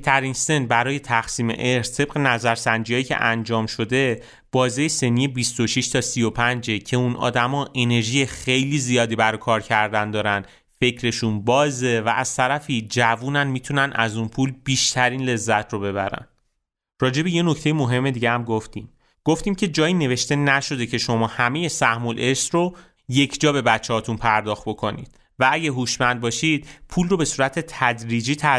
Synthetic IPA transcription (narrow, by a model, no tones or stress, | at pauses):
t̪ʰæɾinse̞nbæɾɒːjet̪ʰæxsiːme̞̰ʔeɾst̪ʰe̞b̥ɣe̞næzæɾsænd͡ʒijɒːjicʰe̞̰ʔænd͡ʒɒːmʃo̞d̪e̞ | b̥ɒːzejese̞nːiːjebist̪o̞ʃiʃt̪ʰɒːsijo̞pʰænd͡ʒe̞cʰe̞unʔɒ̰ːd̪æmɒːʔe̞ne̞ɾʒije̞xe̞jliːzijɒːd̪iːbæɾɒjkʰɒːɾcʰæɾd̪ænd̪ɒːɾæn | fe̞cʰɾe̞ʃunbɒːze̞vææz̥t̪ʰæɾæfiːd͡ʒævuːnænmiːt̪ʰunænʔæzunpʰuːlbiːʃt̪ʰæɾiːnle̞zːæt̪ʰrobe̞βæɾæ̰n | rɒːd͡ʒe̞beje̞no̞cʰt̪e̞jemo̞ɦe̞mːe̞d̪iːɟehæmɡoft̪iːm | ɡ̥o̞ft̪iːmcʰe̞d͡ʒɒːjine̞ve̞ʃt̪e̞næʃo̞d̪e̞cʰe̞ʃo̞mɒːhæme̞je̞sæhmolʔe̞sro | je̞cʰd͡ʒɒːbe̞bæt͡ʃʰːehɒːt̪ʰunpʰæɾd̪ɒːxt̪̚bo̞kʰo̞nḭːd̪̥ | vææɟæɦuːʃmænd̪̚bɒːʃid̪̥̚pʰuːlro̞be̞suːɾæt̪ʰe̞t̪ʰæd̪ɾiːd͡ʒiːt̪ʰæ